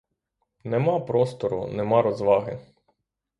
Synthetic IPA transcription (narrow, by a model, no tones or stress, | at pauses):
nemɑpɾɔst̪ɔɾʊ̰nemɑɾɔzʋɑɦɪ